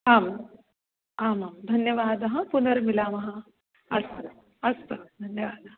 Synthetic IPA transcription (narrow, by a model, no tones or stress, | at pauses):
aːm | aːmaːmd̪ʱɐnjɐʋaːd̪ɐɦɐ̃punɐɾmilaːmɐɦɐ | ɐs | ɐstɐd̪ʱɐnjɐʋaːd̪ɐɦɐ